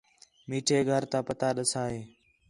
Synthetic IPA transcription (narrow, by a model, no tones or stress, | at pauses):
miːʈʰeːɡʱəɾt̪ãːpət̪aːɗəsaːɦeː